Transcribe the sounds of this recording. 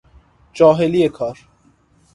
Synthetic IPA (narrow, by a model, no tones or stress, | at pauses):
t͡ʃɔːɦeliekʰɔːɾ